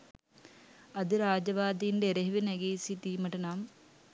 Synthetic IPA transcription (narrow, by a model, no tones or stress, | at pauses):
ɐd̪ɨɾaːd͡ʑɐʋaːd̪ijindeɾɐɦiʋinɐɡiːsit̪iːmɐʈːɐnaːm